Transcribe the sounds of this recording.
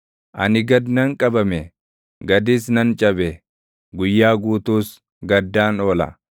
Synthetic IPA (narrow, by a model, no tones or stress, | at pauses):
ʔɐnɪɡɐd̪nɐŋkʼɐbɐmɛ | ɡɐd̪iːsnɐnt͡ʃʼɐbɛ | ɡʊjːaːɡuːt̪uːs | ɡɐd̪ːaːno̞ːlɐ̰